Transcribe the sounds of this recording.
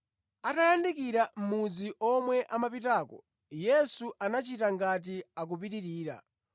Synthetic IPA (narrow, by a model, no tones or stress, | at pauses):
atajandikiɾam̩mud͡ziʔɔmwɛʔamapitaːkɔ̰ | jɛsuʔanat͡ʃitaŋɡat̬iak̬up̬itiɾiːɾa̰